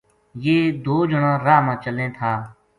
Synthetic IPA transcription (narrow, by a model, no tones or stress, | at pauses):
jeːd̪oːd͡ʒʊɳãːɾaːmãːt͡ʃəlẽːt̪ʰaː